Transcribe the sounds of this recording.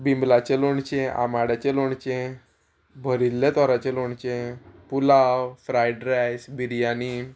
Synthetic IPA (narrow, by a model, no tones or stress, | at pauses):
bimblat͡ɕeloɳt͡ɕẽʔa̰maɽat͡ɕeloɳt͡ɕẽ | bʱəɾilːet̪ɔɾat͡ɕeloɳt͡ɕẽpulawfɾajɖɾajsbiɾijani